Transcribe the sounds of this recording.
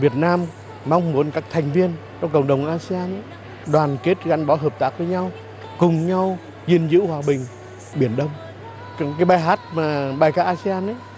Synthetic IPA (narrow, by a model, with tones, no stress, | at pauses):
vi˨˩ət̚naː˧mː | a˧wŋ͡mmu˨˦ənkaː˦˥k̚t̪ʰa˨˩jŋ̟vi˧ən | t͡ɕɔ˧ŋ͡mkə̰˧˩wŋ͡mɗə˨˩wŋ͡mʔaː˧si˧aː˧na˨˦ | ɗwaː˨˩nke˦˥t̚ɣa˨˦nɓɔ˨˦ɦəː˨˩p̚t̪aː˦˥k̚vəː˨˦ɲa˧w | kʊ˨˩ŋ͡mɲa˧w | zi˧ənzɨ̰˧˥hwaː˨˩ɓï˨˩ŋ̟ | ɓi˧˩ənɗə˧wŋ͡m | kaː˨˦jɓaː˧˩jɦaː˦˥t̚maː˨˩ɓaː˨˩jkaː˦˥ʔaː˧si˧aː˧na˨˦